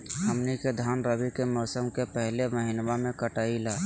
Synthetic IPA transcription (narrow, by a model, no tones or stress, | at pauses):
həmniked̪ʱaːnɾəbikemɔːsəmkepɛɦleməɦɪnwamẽkəʈaːilaː